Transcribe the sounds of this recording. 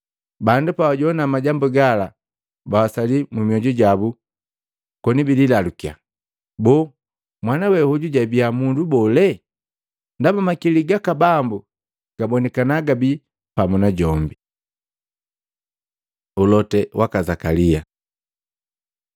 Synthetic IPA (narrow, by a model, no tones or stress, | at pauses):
bandupawaɟɔnamaɟambuɡala | bawasalimumiɔɟuɟabu | kɔnibililalukia̰ | bɔ | mwanawɛhuɟuɟabiamundubɔlɛ | ndabamakiliɡakabambu | ɡ̥abɔnɛkanaɡabi | pamunaɟɔmbi | ulɔtɛwʔakazakalia